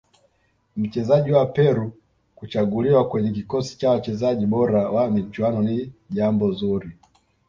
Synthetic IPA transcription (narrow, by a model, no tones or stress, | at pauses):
m̩t͡ʃɛzaʄiwapɛɾu | kut͡ʃaɡuliwakwɛɲɛkikɔsi̥t͡ʃawat͡ʃɛzaʄiɓɔɾawamit͡ʃwanɔniʄambɔzuɾi